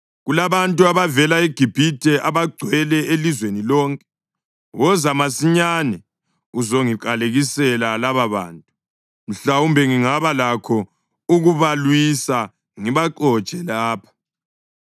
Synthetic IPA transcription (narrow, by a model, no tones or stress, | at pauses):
ɣulaβantʼuaβavɛlaiɡ̥ʱib̥ʱitʰʼɛʔaβaɡ͡ǀʱwɛlɛelizwenilɔːŋkʼɛ̥ | wɔzamasiɲanɛ | uzoŋik̬ʼaleɣisɛlalaβaβa̰ːntʼu | m̩ɬaumbʱɛŋiŋaβalakʰɔ | uɣuβalwisa | ŋiβaǃɔ̥t͡ʃɛlaːpʰḁ